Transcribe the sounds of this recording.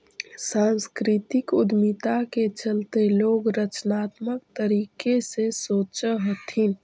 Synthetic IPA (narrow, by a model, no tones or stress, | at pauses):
sãnskɾit̪ɪkʊd̪mit̪aket͡ʃəlt̪eloːɡɾət͡ʃnaːt̪mək̚t̪əɾiːkesesoːt͡ʃəɦot̪ʰin